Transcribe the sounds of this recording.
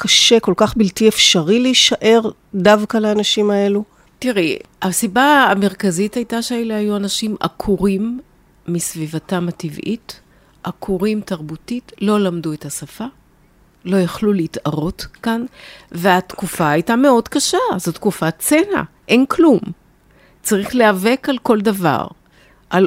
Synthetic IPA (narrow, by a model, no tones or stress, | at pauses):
kaʃe̞ko̞lkaχbiltiefʃaʁiliʃaʔe̞ʁ | davkaleːnaʃimae̞lu | tiʁe | asibaːmeʁkazithajtaʃeelehajuanaʃima̰kʰuʁimː | isvivatamativʔḭt | ʔakʰuʁimtaʁbutitlo̞lamduetasafa | lo̞jaχluleitaʁo̞tkanveatkufaːjtame̞o̞dkaʃazo̞tkufat͡sena̰ | ʔe̞nklum | t͡saʁiχle̞ave̞kalko̞ldava̰ʁ | ʔal